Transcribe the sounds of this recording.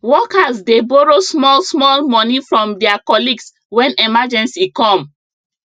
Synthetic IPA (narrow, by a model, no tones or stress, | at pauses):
wɔkasdebɔɹosmɔlsmɔlmɔnifɹɔ̃mdɛakɔliɡs | wɛ̃nɛmad͡ʒɛ̃nsikɔ̃m